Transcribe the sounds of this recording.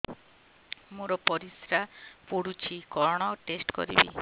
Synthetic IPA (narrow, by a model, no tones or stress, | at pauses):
moɾɔpɔɾisɾapoɽut͡ʃʰikɔɾɔɽ̃ɔʈesʈkɔ̰ɾḭbḭ